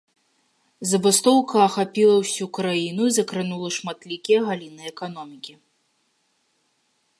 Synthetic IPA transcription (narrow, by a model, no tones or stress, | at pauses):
zɐbɨst̪ɔwkɐːxapʲilˠɐwsʲukɾajinuizɐkɾɨnulˠɐʂmat̪lʲikʲijɐɣalʲinɨɛkan̪ɔmʲikʲi